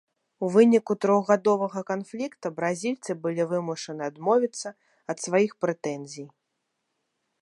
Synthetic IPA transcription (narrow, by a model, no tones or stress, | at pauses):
uvɨnʲikut̪ɾɔɣɣad̪ɔvɐɣɐkanflʲikt̪ɐbɾazʲilʲt̪sɨbɨlʲivɨmuʂɐnɨad̪mɔvʲit̪sːɐ | ɐt̪svajixpɾɛt̪ɛnzʲij